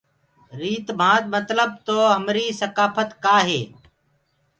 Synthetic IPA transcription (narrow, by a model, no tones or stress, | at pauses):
ɾiːt̪m̤ãːt̪mət̪ləb̚t̪oːɦəmɾiːsəkaːfət̪kaːɦeː